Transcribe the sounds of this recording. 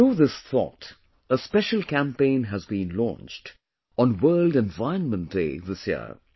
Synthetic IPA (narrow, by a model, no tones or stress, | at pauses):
uðɪsθɔ̰t | əspɛʃəl̩ˠkæ̃mpẽɪ̃nɦəzbĩnlɔ̰̃nt͡ʃt | ɔ̃nwɜːldɛ̃nvaɪə̃nmə̃ntd̥ḛɪðɪsjɪ̰ə